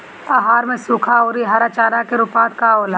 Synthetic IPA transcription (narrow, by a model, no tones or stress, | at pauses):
aɦaːɾmẽsuːkʰaoːɾiɦaɾat͡ʃaːɾakeɾʊpãːt̪kaoːlaː